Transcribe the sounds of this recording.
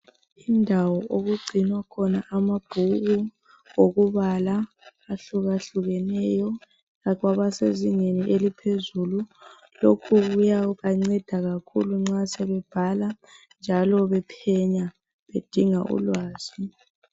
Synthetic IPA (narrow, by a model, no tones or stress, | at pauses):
indʱawɔʔoɣuɡ͡ǀʱinwakʰɔnaʔamab̥ʱuɣu | oɣuβalaː | ɬuɣaɬuɣɛnɛjɔ | ɣaɣwaβaseziŋeniʔelipʰezulu | lokʰuɣujaɣaŋ͡ǀɛd̥ʱaɣakʰuluŋ͡ǀasɛβɛb̥ʱala | nd͡ʒʱalɔβɛpʰɛɲa | βed̥ʱiŋaʔṵlwaːz̥i